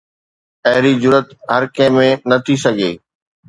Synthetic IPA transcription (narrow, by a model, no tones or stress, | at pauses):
ɐɦɪɾid͡ʑʊɾət̪ɦɐɾkɐ̃ːmẽnɐt̪ʰisɐɡʱeː